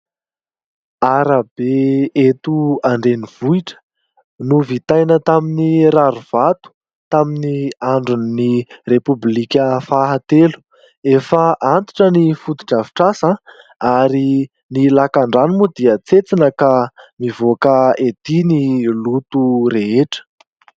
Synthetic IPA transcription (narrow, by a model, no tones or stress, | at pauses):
aɾabeet̪uaɳɖ͡ʐeniv̥uiʈ͡ʂə̥ | nuvit̪ajnət̪aminiɾaɾuv̥at̪u̥ | t̪aminiaɳɖ͡ʐunnirepublikʲəfaɦat̪elu̥ | efəʔant̪i̥ʈ͡ʂənifut̪u̥ʈ͡ʂavi̥ʈ͡ʂasə | aɾi | nilakaɳɖ͡ʐanumud̪iət͡set͡sinəkamivokəed̪inilut̪uɾeɦeʈ͡ʂə̥